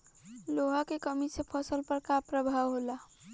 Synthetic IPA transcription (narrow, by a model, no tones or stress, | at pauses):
loɦakekəmisepʰəsəlpəɾkapɾəbʱawɦola